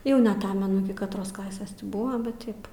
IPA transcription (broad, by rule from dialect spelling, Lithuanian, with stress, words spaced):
ˈjɛʊ nʲɛɐˈtɑːmʲɛnʊ ˈɪkʲɪ kɐtˈroːs ˈklˠɑːsʲeːs ˈtʲɪ ˈbʊʋɐ bʲɛt ˈtɐɪp